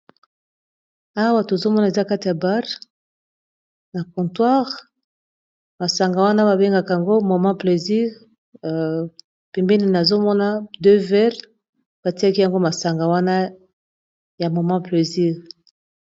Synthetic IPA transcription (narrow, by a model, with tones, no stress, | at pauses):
a˦wa˦to˨zo˦mɔ˦na˨e˨za˦ka˦ti˨ja˨ba˦ʁ | na˨kɔ̃˨ntwa˦ʁ | ma˨sa˨ŋɡa˨wa˦na˦ba˨be˦ŋɡa˨ka˨a˨ŋɡo˦mɔ˨mɑ̃˦ple˨zi˦ʁ | pɛ˨mbɛ˦ni˨na˨zo˦mɔ˦na˦dø˦vɛ˦ʁ | b̥a˨ti˦a˦ki˦ja˨ŋɡo˦ma˨sa˨ŋɡa˨wa˦na˦ | ja˨mo˨mã˦ple˨zi˦ʁ